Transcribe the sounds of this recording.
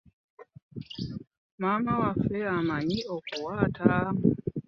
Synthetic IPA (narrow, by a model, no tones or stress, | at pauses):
maːmawafːe̞amaɲio̞kuwaːtʰam